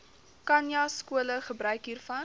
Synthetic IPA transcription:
kɐnjaskuələχəbɾœɥkɦiːrfɐn

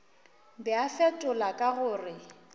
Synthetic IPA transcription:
bɛafɛtʼʊlakʼaɣʊːrɪ

